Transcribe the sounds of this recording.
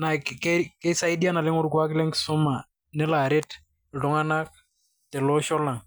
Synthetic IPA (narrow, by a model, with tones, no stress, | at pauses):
na˨kkɛkɛ˦sa˦i˦di˦a˦na˨lɪ˦ŋʊ˦ɾkwa˦kɪ˦lɛ˦ŋksʊ˦ma˨ | nɛ˦la˨ɾɪ˦t | lʊ˦ŋa˦na˦k̚ | tɛ˨lɔ˦ʃɔ˦la˨ŋ